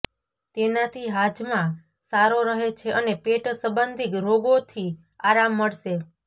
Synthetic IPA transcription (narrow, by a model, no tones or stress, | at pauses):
t̪enat̪ʰiɦad͡ʒmã | saɾoɾəɦet͡ʃʰeʔənepeʈsəbənd̪ʱikɾoɡot̪ʰi | aɾamːəɭʃe